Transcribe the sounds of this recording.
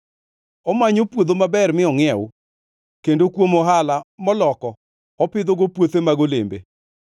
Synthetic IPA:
ɔmaɲopwod̪omabɛrmɪɔŋɪɛo | kendokwomɔɦalamɔlɔkɔ | ɔpɪd̪oɡopwot̪emaɡolḛmbḛ

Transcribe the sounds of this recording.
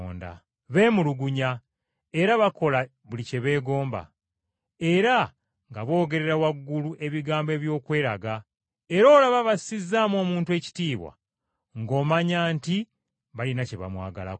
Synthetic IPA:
nda̰ | βe̞ːmuluɡuɲa | e̞ɾaβako̞la | βulice̞βe̞ːɡo̞ːmba̰ | eɾa | ŋɡaβo̞ːɡe̞ɾe̞ɾawaɡːuluʔe̞βiɡaːmbe̞ːβjo̞ːkwe̞ːɾaɡa | e̞ɾo̞ːlaβaβaizːaːmo̞ːmuːntwe̞ːci̥tiːβwa̰ | ŋɡo̞ːmaɲaːnti | βalinace̞βa̰mwa̰ːɡala̰k

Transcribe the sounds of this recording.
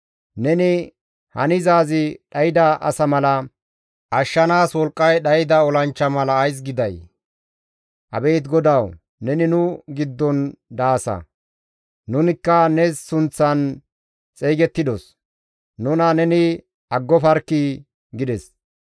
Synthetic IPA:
nɛnɪ | hɐnɪzaːzɪɗɐjɪd̪ɐʔɐ̰sɐmɐlɐ | ʔɐʃːɐnaːswɔlkʼːɐjɗɐjɪd̪ɐɔlɐnt͡ʃːɐmɐlɐːjs̬ɡɪd̪ɐj | ʔɐ̰be̞ːt̪ɡɔd̪ɐw | nɛnɪnʊɡɪd̪ːɔnd̪aːsɐ̰ | nʊnɪkːɐnɛssʊnt͡sːɐn | t͡sʼejɡɛt̪ːɪd̪ɔs | nʊnɐnɛnɪ | ɐɡːɔfɐɾkːɪ | ɡɪd̪ɛs

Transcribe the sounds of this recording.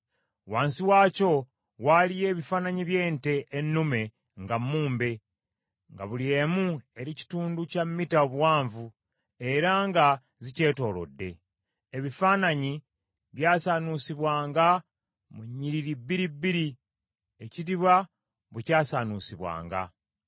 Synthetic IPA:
waːnsiwaːco̞ | walije̞ːβifaːnaɲiβje̞ːnte̞ʔːnːume̞ | ŋɡamːuːmbe̞ | ŋɡa̰βulie̞ːmue̞ɾici̥tuːnducamːitaoβwaːɱvu | e̞ɾaŋɡa | zice̞ːto̞ːlo̞̰dːe̞̰ː | βifaːnaɲi | βjaːsaːnusiβwaːŋɡa | muɲːiɾiɾibːiɾibːiɾi | eciɾiβa | βucaːsaːnusiβwa̰ːŋɡa̰

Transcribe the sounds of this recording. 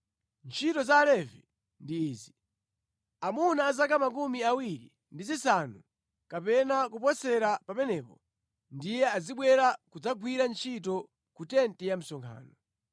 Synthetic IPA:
nt͡ʃʰitɔzaːlɛvɛ | ndiːzi | amunaːzakamak̬umiawiɾḭ | ndizisanu | kapɛnakupɔsɛɾapapɛnɛpɔ | ndijɛaziɓwɛɾakud͡zaɡwiɾant͡ʃʰit̬ɔ | kutɛntɛjam̩sɔŋkʰa̰ːnɔ

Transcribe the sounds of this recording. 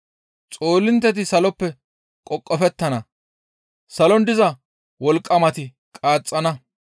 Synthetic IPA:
t͡sʼo̞ːlːɪnt̪ːɛt̪̬ɪsɐlɔpːɛ | kʼɔkʼːɔfɛt̪ːɐnɐ | sɐlɔnd̪ɪzɐ | wɔlkʼːɐmɐt̪ɪ | kʼaːt͡sʼːɐnɐ

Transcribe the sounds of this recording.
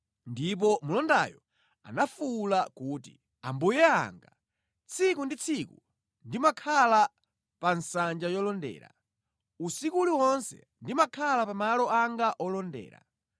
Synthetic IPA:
ndip̬ɔmulɔnda̰jɔ | a̰nafulakuːtḭ | a̰mbujɛa̰ŋɡa | t͡sʰikundit͡sʰiku | ndimakʰala | pansand͡ʒajɔlɔndɛ̰ːɾa̰ | usikuliwɔnsɛ̰ | ndimakʰalapamalɔaŋɡaʔɔlɔndɛ̰ːɾa̰

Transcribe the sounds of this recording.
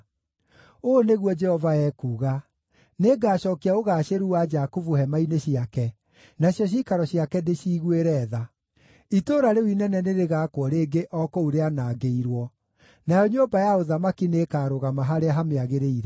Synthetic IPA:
oːneɣwɔd͡ʒɛhɔvaɛːkuːɣa | neɡaːɕɔːkiaoɣaːɕeɾuwad͡ʒakuvuhɛmaineɕiakɛ | naɕjɔɕ̬ikaɾɔɕiakɛdeɕiːɣweɾɛːða | itoːɾaɾewinɛnɛneɾeɣaːkwɔɾeːɡeʔɔkɔuɾeanaːɡeiɾwɔ | najɔɲoːmbajaoðamakineːkaːɾoɣamaɦaɾeaɦameaɣeɾeiɾɛ

